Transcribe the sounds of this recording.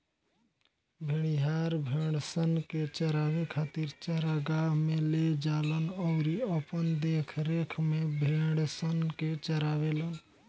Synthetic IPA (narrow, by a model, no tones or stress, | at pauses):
bʱeɽiɦaɾbʱeɽsənket͡ʃəɾabekʰat̪iɾt͡ʃəɾaɡameled͡ʒalənɔʊɾiəpənd̪ekʰɾekʰmebʱeɽsənket͡ʃəɾabelən